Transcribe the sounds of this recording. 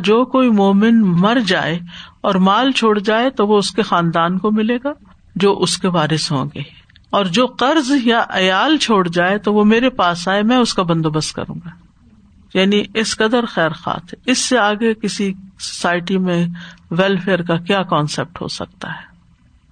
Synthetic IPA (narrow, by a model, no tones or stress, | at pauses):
d͡ʒoːkoːimoːmɪnmɐɾd͡ʒa̰ːeɔːɾmaːlt͡ʃʰoːɽd͡ʒaːet̪oʋoʊskexãːnd̪aːnkomɪleːɡaː | d͡ʒoːʔʊskeʋaːɾɪsɦõ̰ːɡe | ɔːɾd͡ʒoːqɐɾzjaʔɐjaːlt͡ʃʰoːɽd͡ʒaːet̪oʋomeːɾepaːsaːemɛ̃ʊskabɐ̃nd̪oːbɐst̪̚kɐ̰ɾṵ̃ːŋɡaː | jaːniʔɪsqɐd̪əɾxɛːɾxa̰ːt̪ʰɦɛɪsːeaːɡekɪsiso̥saːɪʈimẽʋɛːlfeːəɾkakjaːkɔːnsɛp̚ʈɦo̰sɐ̰k̚t̪a̰ɦɛː